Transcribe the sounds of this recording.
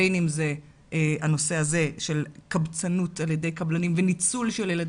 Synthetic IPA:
jnimze | ano̞se̞aze̞ʃe̞lkabt͡sanutalje̞dejkablanimvenit͡sulʃeljelad

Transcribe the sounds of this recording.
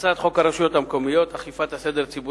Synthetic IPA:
t͡sat̪χo̞kaɾaʃujo̞t̪hamko̞mijo̞t̪aχifat̪hased̪eɾt͡sibu

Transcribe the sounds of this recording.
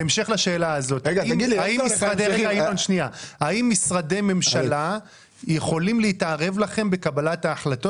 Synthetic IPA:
emʃeχlaʃe̞ːlaazo̞t̪ɡiiaimmisʁad̪eeɡajonʃniaaimːisʁade̞jme̞mʃala | je̞χo̞limleitaʁe̞vlaχe̞mbe̞kabalataːχlat̪o̞

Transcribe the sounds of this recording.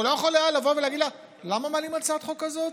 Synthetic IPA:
lojeχolaalavo̞veleaɡid̪la | lamamalimat͡sat̪χokazot

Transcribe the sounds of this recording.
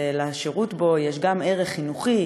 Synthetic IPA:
leʃeʁutbo̞jeʃɡame̞ʁeχːinuχi

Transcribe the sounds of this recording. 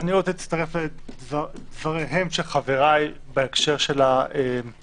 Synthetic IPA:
aniʁot͡sɛt͡st̪aʁefled̪vad̪vaʁeɦemʃeχaveʁaj | beekʃeʁʃe̞laem

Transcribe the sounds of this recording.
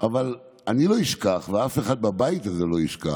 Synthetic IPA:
ʔaval | aniloiʃkaχveafeχad̪̚babajit̪azelo̞iʃka̰

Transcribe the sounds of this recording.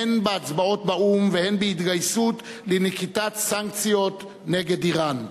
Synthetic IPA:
enbeat͡sbao̞t̪baumvehenbeit̪ɡajsut̪ | lenekit̪at̪saŋkt͡sjot̪ | neɡed̪iʁan

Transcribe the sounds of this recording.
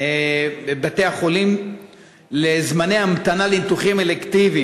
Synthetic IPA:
ebebat̪e̞jaχo̞lim | lezmanejhamat̪analenit̪uχimelekt̪ivi

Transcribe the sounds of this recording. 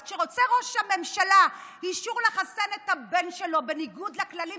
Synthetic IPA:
ʃeʁo̞t͡seʁo̞ʃhame̞mʃalahiʃuʁleχasenet̪habe̞nʃelo̞be̞niɡud̪laklali

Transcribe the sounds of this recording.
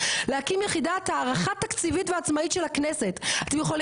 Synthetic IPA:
lehakimjeχidathaːʁaχat̪akt͡sivitveat͡smaitʃelaknese̞tat̪emjeχol

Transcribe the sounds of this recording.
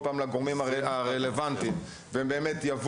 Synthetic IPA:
paːmlaɡoʁmimaaʁelevantim | vembeːmetjav

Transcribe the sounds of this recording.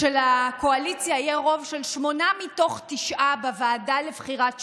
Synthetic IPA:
elako̞alit͡sjaijeʁo̞vʃe̞lʃmo̞namito̞χtiʃʔabavaːdalevχiʁat

